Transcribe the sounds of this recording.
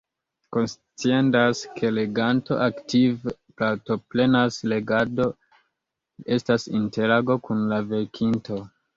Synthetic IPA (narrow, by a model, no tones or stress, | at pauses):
ko̞ns | t͡siendaskʰe̞le̞ɡanto̞̰ʔaktʰivplato̞ple̞nasle̞ɡado̞ | e̞stasinte̞ɾaɡo̞kunlave̞ɾkʰinto̞